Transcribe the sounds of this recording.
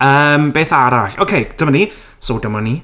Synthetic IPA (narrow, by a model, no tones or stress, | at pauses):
əːmbeːθaɾaɬo̰kʰejtʰəmani | sowdəmɔni